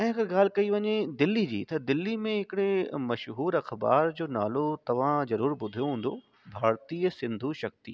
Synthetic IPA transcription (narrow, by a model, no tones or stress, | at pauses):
ɛ̃ːɪ̃ɐɡɐɾɡaːl̤ɪkɐiʋɐɲed̪ɪlːid͡ʑḭːt̪ɐd̪ɪlːimẽɦɪkɪɽemɐʃɦuːɾɐxba̰ːɾd͡ʑoːnaːlot̪ɐʋ̤ãzɐɾuːɾbʊd̪ʱijoɦũːn̆d̪o | bʱaːɾt̪iːəsɪ̃nd̪ʱuʃɐk̚t̪ḭː